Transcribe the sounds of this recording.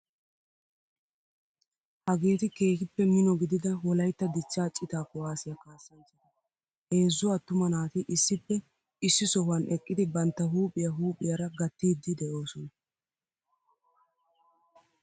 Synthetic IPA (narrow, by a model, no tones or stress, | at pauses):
hɐɡe̞ːt̪ɪke̞ːkɪpːɛmɪnɔɡɪd̪ɪd̪ɐwɔlɐjt̪ːɐd̪ɪt͡ʃːaːt͡ʃʼːɪt̪aːkʊwaːsɪjakaːsːɐnsɐnɐ | he̞ːzːʊat̪ːʊmɐnaːt̪ɪʔɪsːɪpːɛ | ɪsːɪsɔhʊɐnʔɛkʼːɪd̪ɪbɐnt̪ːɐɦuːpʼɪjɐɦuːpʼɪjɐɾɐɡɐt̪ːiːd̪ːɪd̪ɛʔo̞ːsɔnɐ